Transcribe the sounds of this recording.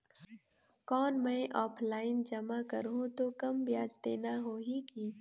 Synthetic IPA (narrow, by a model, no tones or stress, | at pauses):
kɔːnmɛ̃ːʔɔːpʰlaːɪnd͡ʒɐmakɐɾɦũt̪oːkɐmbjaːd͡ʒd̪eːnaɦoːɦikiː